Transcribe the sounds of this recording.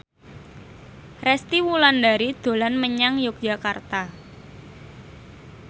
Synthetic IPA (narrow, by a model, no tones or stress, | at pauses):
rɛst̪iwuland̪aɾid̪̥o̤lanməɲaŋjʊk̚d͡ʒ̥a̤kart̪a